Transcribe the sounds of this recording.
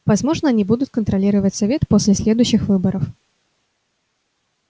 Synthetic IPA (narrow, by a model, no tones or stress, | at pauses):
vɐzmo̞ʐnəɐnʲibud̪ʊt̪̚kənt̪ɾɐlʲiɾəvətʲsɐvʲet̪posʲlʲɪsʲlʲed̪ʊjɕːɪxvɨbəɾəf